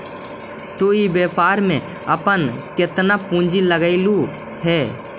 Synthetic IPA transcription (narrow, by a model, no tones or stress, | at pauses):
t̪oibeːpaːɾmẽ | əpənkɪt̪napũːnd͡ʒiləɡəɪlu | ɦɛː